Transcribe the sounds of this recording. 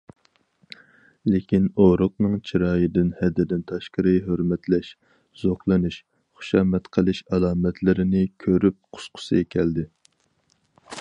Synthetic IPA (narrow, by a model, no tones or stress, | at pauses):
lekʲinoɾʊq̚nɨŋt͡ʃʰiɾɑːjɨd̪ɪnhɛd̪ɪd̪ɪnt̪ʰɑʃqəɾɨɦøɾmɛt̪lɛʃ | z̥oχlˠɨnɨʃ | χʊ̥ʃɑːmɛt̪qʰəlˠɨʃɑlˠɑːmɛt̪ʰlɪɾɪnɪkʲʰøɾyp̚qʰʊ̥sqʰʊ̥sɨ̰ekʲʰɛld̪ɪ